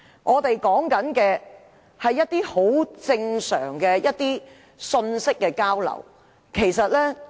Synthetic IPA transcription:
ŋʔɔː˨˧t̪e˨jkɔː˨˥ŋkɐ˨˥nkɛː˧ | hɐ˨jːɐ˥t̪̚iː˥ho˨˥wt͡sɪ˧ŋsœ̰ː˨˩ŋkɛː˧jɐ˥t̚t̪iː˥ | sɵ˧nsɪ˥kːɛː˧kaː˥wlɐ̰˨˩w | kʰe˨˩jsɐ˨t̚lɛː˥

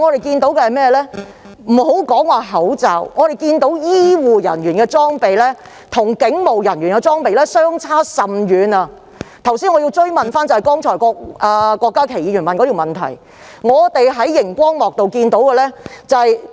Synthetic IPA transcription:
ŋɔː˨˧t̪e˨jkiː˧nt̪o˨˥wkɛ˧hjmɛː˥˧lɛː˥ | m̩˨˩ho˨˥wkɔː˨˥ŋwaː˨˧ɦɐ˨˥wt͡saː˨wŋɔː˨˧t̪e˨jkiː˧nt̪o˨˥wjiː˥wuː˨jɐ̰˨˩nɥyː˨˩nkɛː˧t͡sɔː˥ŋpe˨jlɛː˥ | t̪ʰʊ˨˩ŋkɪ˨˥ŋmo˨˩wjɐ˨˩nɥyː˨˩nkɛ˧t͡sɔː˥ŋpe˨jlɛː˥sœː˥ŋt͡sʰaː˥sɐ˨mjyː˨˧nɐ˧ | t̪ʰɐ˨˩wsiː˥nŋɔː˨˧i˧wt͡ʃɵ˥ɥmɐ˨nfaː˥nt͡sɐ˨˩hɐ˨jkɔː˥ŋt͡sʰɔː˨˩jkɔː˧k̚aː˧kʷɔː˧kːaː˥kʰe˨˩jiː˨˧jy˨˩mɐ˨nkɔ˨˧˥i˨wmɐ˨nt̪ʰɐ̰˨˩j | ŋɔː˨˧t̪e˨jɦɐ˨˥jːɪ˨˩ŋkʷɔː˥ŋmɔː˨k̚t̪o˨wkiː˧nt̪o˨˥wkɛː˧lɛː˥t͡sɐ˨hɐ˨˧j

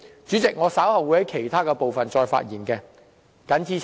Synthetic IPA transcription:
t͡ʃyː˨˥t͡sɪ˨k̚ŋɔː˨˧saː˨˥whɐ˨wuː˨˧˥jhɐ˨˥jkʰe˨˩jt̪ʰaː˥kɛː˧po˨wfɐ˨nt͡ʃɔː˧jfa̰ː˧t̚jiː˨˩nkɛː˧ | kɐ˨˥nt͡sʰiː˧

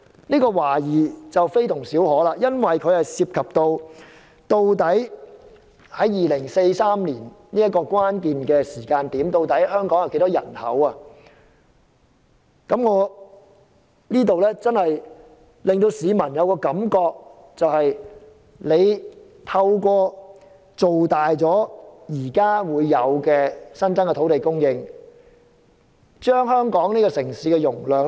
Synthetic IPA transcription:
niː˥kɔː˧waː˨˩jiː˨˩t͡sɐ˨wfe˥jt̪ʰʊ˨˩ŋsiː˨˥whɔː˨˥laː˧jɐ˥nwɐ˨jkʰɵ˨˧ɥhɐ˨jsiː˧p̚kʰɐ˨p̚t̪o˧w | t̪o˧wt̪ɐ˨˥j | hɐ˨˥jjiː˨lɪ˨˩ŋse˧jsaː˥mniː˨˩n | niː˥ɐ˥t̚kːɔː˧kwaː˥nkiː˨nkɛː˧siː˨˩kaː˧nt̪iː˨˥mt̪o˧wt̪ɐ˨˥jhœː˥ŋkɔː˨˥ŋjɐ˨˧wke˨˧˥t̪ɔː˥jɐ̰˨˩nhɐ̰˨˥waː˧ | kɐ˨˥mŋɔː˨˧ | liː˥t̪o˨wlɛː˥t͡sɐ˥nhɐ˨j | lɪ˨˩ŋt̪o˧wsiː˨˧mɐ˨˩njɐ˨˧wkɔː˧kɐ˨˥mkɔː˧k̚ | t͡sɐ˨whɐ˨j | le˨˧j | t̪ʰɐ˧wkʷɔː˧ | t͡so˨wt̪aː˨jt͡sɔː˨˥jiː˨˩kaː˥wuː˨˧jːɐ˨˧wkɛː˧sɐ˥nt͡sɐ˥ŋkɛ˧t̪ʰo˨˥wt̪e˨jkʊ˥ŋjɪ˧ŋ | t͡ʃœː˥ŋɦœː˥ŋkɔː˨˥ŋniː˥kɔː˧sɪ˨˩ŋsiː˨˥kɛ˧jʊ˨˩ŋlœː˨ŋ

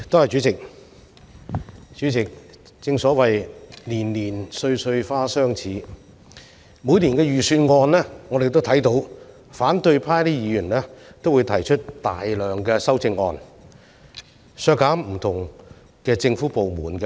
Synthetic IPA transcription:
t̪o˥whɐ˨jt͡ʃyː˨˥t͡sɪ˨k̚ | t͡ʃy˨˥t͡sɪ˨k̚ | t͡sɪ˧ŋsɔː˨˥wɐ˨jliː˨˩nliː˨˩nsɵ˧ɥsɵ˧ɥfaː˥sœː˥ŋt͡sʰiː˨˥ | muː˨˧jliː˨˩nkɛː˧jyː˨˩syː˧nŋɔː˧nlɛː˥ŋɔː˨˧ɾe˨jt̪o˥wt̪ʰɐ˨˥jt̪o˨˥w | faː˨˥nt̪ɵ˧ɥpʰaː˥jliː˥jiː˨˧jyː˨˩nlɛː˥t̪o˥wu˨˧jt̪ʰɐ˨˩jt͡ʃʰɵ˥t̚t̪aː˨jlœː˨ŋkɛː˧sɐ˥wt͡sɪ˧ŋːɔ̰ː˧n | sœː˧kːaː˨˥mm̩˨˩t̪ʰʊ˨˩ŋ | kɛː˧t͡sɪ˧ŋfuː˨˥po˨wmuː˨˩nkɛ˧

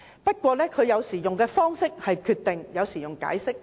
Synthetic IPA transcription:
pɐ˥t̚kʷwɔː˧lɛː˥kʰɵ˨˧ɥjɐ˨˧wsiː˨˩jʊ˨ŋkɛː˧fɔː˥ŋsɪ˥k̚hɐ˨jkʰyː˧t̪ɪ˨ŋjɐ˨˧wsiː˨˩jʊ˨ŋka̰ː˨˥jsɪ˥k̚

